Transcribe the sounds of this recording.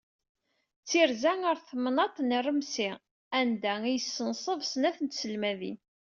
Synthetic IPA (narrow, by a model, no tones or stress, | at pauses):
t͡sːiɾzæŋəɾθmnɑt̪ˤnərəmsi | ænd̪æijəsːənsˤəvsnæθənt̪səlmæðḭn